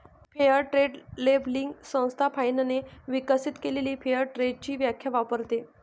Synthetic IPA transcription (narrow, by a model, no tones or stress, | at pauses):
pʰejəɾʈɾeɖlebliŋɡsə̃w̃st̪ʰapʰainəneʋikəsit̪keleliːpʰejəɾʈɾeɖ̚t͡ɕiːʋjakʰjaʋapəɾt̪e